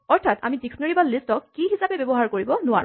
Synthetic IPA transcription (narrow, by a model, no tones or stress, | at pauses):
ɔɹt̪ʰata̰midikʰnɔɹibalːistɔkːiɦisapɛbɛbɔɦaɹkoɹibɔnʊwa̰ɹṵ̃